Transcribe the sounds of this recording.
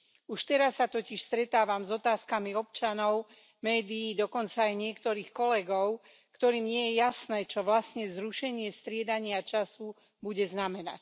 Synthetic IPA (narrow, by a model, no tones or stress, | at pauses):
uʃt̪ɛɾasːat̪ɔciʃst̪ɾɛt̪aːʋamzɔt̪aːskamiɔp̚t͡ʃanɔʊ | mɛːd̪iːd̪ɔkɔnt͡saːjɲɪɛkt̪ɔɾiːxkɔlɛɡɔʊ | kt̪ɔɾiːmɲɪɛjɛjasnɛːt͡ʃɔʋlasɲɛzɾuʃɛɲɪɛst̪ɾɪɛd̪aɲɪat͡ʃasu | buɟɛznamɛna̰c